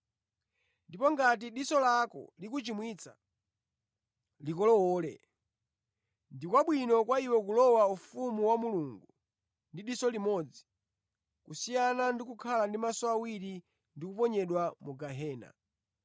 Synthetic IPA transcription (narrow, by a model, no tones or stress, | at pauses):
ndipɔŋɡat̬iɗisɔlakɔ̰likut͡ʃimwit͡sa̰ | likɔlɔwɔːlɛ̰ | ndikwaɓwinɔkwaiwɛkulɔwaufumuwamuluŋɡu | ndiɗisɔlimɔd͡zi̥ | kusijanandikukʰalandimasɔawiɾi | ndikupɔɲɛɗwamuɡaɦɛːna̰